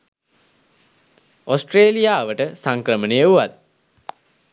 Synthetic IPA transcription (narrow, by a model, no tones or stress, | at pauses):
osʈreːlijaːʋəʈəsaŋkrəmənejəuʋat̪̚